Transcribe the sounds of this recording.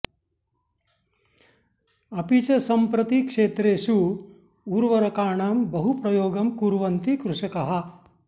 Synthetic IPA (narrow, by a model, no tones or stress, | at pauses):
ɐpit͡ʃɐsɐmpɾɐt̪ikʂeːt̪ɾeːʃu | uːɾʋɐɾɐkaːɳaːmbɐɦupɾɐjoːɡɐmkuːɾʋɐnt̪ikɾuʂɐkɐɦɐ̆